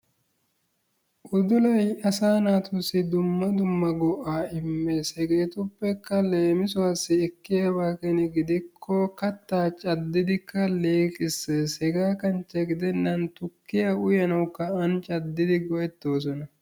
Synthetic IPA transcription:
ʔʊd̪ʊlɐjɐsaːnaːt̪ʊsɪd̪ʊmːɐd̪ʊmːɐɡɔʔaːɪmːesɛɡeːt̪ʊpːɛkːɐle̞ːmɪsʊwaːsːɪɛkːɪjabaːkɛnɛɡɪd̪ɪkʰːɔkɐt̪ːaːt͡ʃʼɐd̪ːɪd̪ɪkːɐleːkʼɪsːeshɛɡaːkɐnt͡ʃːɐɡɪd̪ɛnːɐnt̪ʊkːɪjɐʊjɐnɐwkːɐɐnt͡ʃʼɐd̪ːɪd̪ɪɡɔʔɛt̪ːo̞ːs̬ɔnɐ

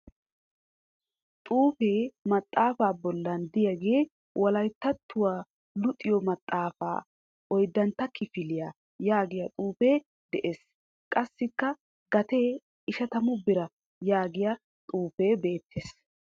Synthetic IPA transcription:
t̪ʼuːfeːmɐt̪ʼːaːfaːbɔlːɐnd̪ɪjɐɡeː | wʔɐlɐjt̪ːɐt̪ːʊwaː | lʊt̪ʼːɪjɔmɐt̪ʼːaːfa̰ː | ɔjd̪ːɐnt̪ːɐkʰɪfɪlɪja | jaːɡɪjɐt̪ʼuːfeː | d̪ɛʔeːs | kʼɐsːɪkːɐ | ɡɐt̪eː | ɪʃɐt̪ɐmʊbɪɾɐ | jaːɡɪjɐ | t̪ʼuːfeːbe̞ːt̪ʰːeːs

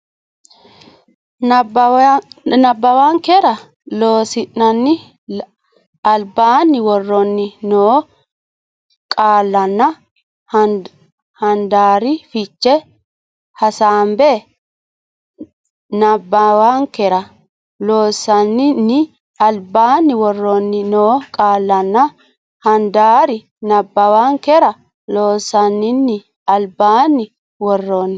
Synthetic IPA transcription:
nɐbːɐwaːŋkɛɾɐ | loːsɪnːɐnːɪ | ɐlbaːnːɪwɔrːɔnːɪnoː | kʼaːlːɐnːɐ | hɐnd̪aːɾɪfɪt͡ʃːɛ | hɐsaːmbɛ | nɐbːawaːŋkɛɾɐ | loːsɐnːɪnːɪ | ɐlbaːnːɪwɔrːonːɪnoːkʼaːlːɐnːɐ | hɐnd̪aːɾɪ | nɐbːɐwaːŋkɛɾɐ | loːsːɐnːɪnːɪ | ɐlbaːnːɪ | wɔrːoːnːɪ

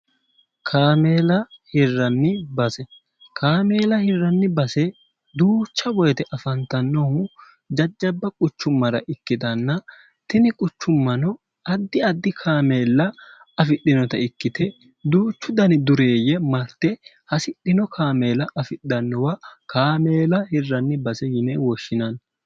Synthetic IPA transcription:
kʰaːmeːlɐhɪrːɐnːɪbɐsɛ | kʰaːme̞ːlɐhɪrːɐnːɪbɐsɛ | d̪uːt͡ʃːɐbɔjɛt̪ɛʔɐfɐnt̪ɐnːɔhʊ | d͡ʒɐd͡ʒːɐbːɐkʼʊt͡ʃːʊmːɐɾɐ̰ʔɪkːɪd̪ɐnːɐ | t̪ɪnɪkʼʊt͡ʃːʊmːɐnɔ | ɐd̪ːɪɐd̪ːɪkʰaːme̞ːlːɐ | ɐfɪɗːɪnɔt̪ɐɪkːɪt̪ɛ | d̪uːt͡ʃːʊd̪ɐnɪd̪ʊɾe̞ːjɛmɐɾt̪ɛ | hɐsɪɗɪnɔkʰaːme̞ːlɐʔɐfɪɗɐnːɔwɐkaːmeːlɐhɪrːɐnːɪbɐsɛjɪnɛwɔʃːɪnɐn

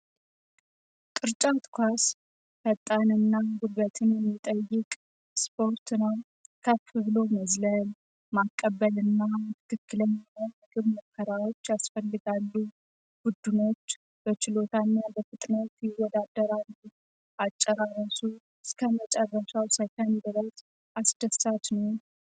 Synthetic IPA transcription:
t̪ʼɨɾt͡ʃʼat̪kʰʷas | fət̪ʼːanɨnːaɡuβət̪ʰɨnjɛmːit̪ʼəjːɪkʼ | spʰo̞ɾt̪nəw | kʰəfɨβlo̞məzləl | makʼːəβːəlɨnːamt̪ʰɨ̥kʰɨkːɨləɲːhowmɨɡɨβməkʰːəɾawo̞t͡ʃːjasfəlːɨɡalːu | b̥ud̪ːɨno̞t͡ʃː | b̥ət͡ʃɪlo̞t̪ʰanːabəfɨt̪ʼnət̪jɛwɔd̪ad̪ːəɾand̪i | ʔat͡ʃʼːəɾarəsu | ɨskʰəmət͡ʃʼərːəʃawsəkənd̪ɨɾəz | ʔasd̪̥əsat̪nəw

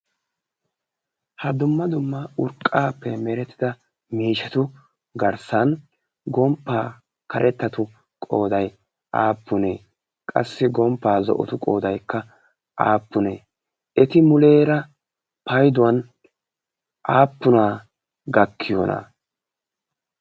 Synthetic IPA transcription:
hɐd̪ʊmːɐd̪ʊmːɐʊɾkʼːaːpːɛmɛɾɛt̪ːɪd̪ɐ | miːʃɐt̪ʊ | ɡɐɾsɐn | ɡɔmpːaː | kɐɾʔɛt̪ːɐt̪ʊ | kʼo̞ːd̪ɐj | ʔaːpːʊneː | kʼɐ̰sːɪɡɔmpːaːzɔ̰ʔɔ̰t̪ʊkʼo̞ːd̪ɐjkːɐ | ʔa̰ːpːʊneː | ɛt̪ɪmʊle̞ːɾɐ | pɐjd̪ʊwɐn | ʔaːpːʊnaː | ɡɐkʰːɪjo̰ːnɐ̰

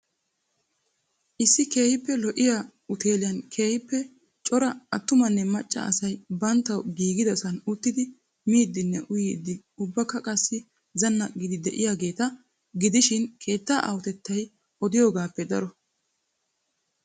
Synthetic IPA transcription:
ʔɪsːɪke̞ːhɪpːɛlɔʔɪja | ʊt̪ʰe̞ːlɪjɐnkʰe̞ːhɪpːɛ | t͡ʃʼɔɾɐɐt̪ːʊmɐnːɛmɐt͡ʃʼːɐ̰ʔɐ̰sɐjbɐnt̪ːɐwɡiːɡɪd̪ɐsɐnʊt̪ːɪd̪ɪ | miːd̪ːɪnːɛʔʊjiːd̪ːɪ | ʊbːɐkːɐkʼɐsːɪ | zɐnːɐɡɪd̪ɪd̪ɛʔɪjaːɡe̞ːt̪ɐ | ɡɪd̪ɪʃɪnkʰe̞ːt̪ːaːʔɐ̰wɔt̪ɛt̪ːɐj | ʔɔd̪ɪjoːɡaːpːɛd̪ɐɾɔ

